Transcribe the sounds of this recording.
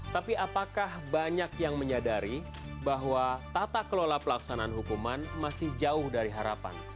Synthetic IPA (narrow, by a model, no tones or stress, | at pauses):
t̪apiapakahbaɲakjaŋməɲadaɾi | baɦwat̪at̪akəlolapəlaksanaanɦukumanmasɪhd͡ʒaʊhdaɾiɦaɾa̰pa̰n